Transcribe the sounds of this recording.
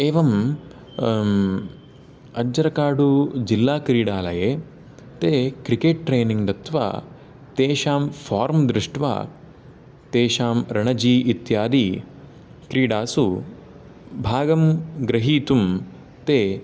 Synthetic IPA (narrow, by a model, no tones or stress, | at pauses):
eːʋɐm | ɐd͡ʒɐɾɐkaːɽud͡ʒilːaːkɾiːɽaːlɐjeː | t̪eːkɾikeːʈ̚ːɾeːniŋd̪ɐt̪ʋa̰ː | t̪eːʃaːmpʰaːɾmd̪ɾɪʂʈʋa̰ː | t̪eːʃaːmɾɐɳɐd͡ʒiːit̪jaːd̪iː | kɾiːɽaːsu | bʱaːɡɐmɡɾɐɦiːt̪um | t̪eː